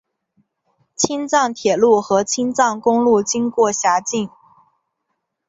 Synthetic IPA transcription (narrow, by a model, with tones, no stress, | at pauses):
t͡ɕʰi˥nt͡sɑ˥˩ŋt̪ʰjɛ˨˩lu˥˩xɤ˧˥t͡ɕʰi˥nt͡sɑ˥˩ŋkʊ˥ŋlu˥˩t͡ɕi˥ŋkwɔ˥˩ɕja˧˥t͡ɕi˥˩ŋ